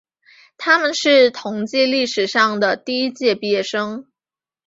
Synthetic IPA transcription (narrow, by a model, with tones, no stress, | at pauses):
t̪ʰa˥mə˨nʂɻ̩˥˩t̪ʰʊ˧˥ŋt͡ɕi˥˧li˥˩ʂɻ̩˨˩ʂɑ˥˩ŋd̪ə˩t̪i˥˧i˥t͡ɕjɛ˥˩pjɛ˥˩ʂɤ˥ŋ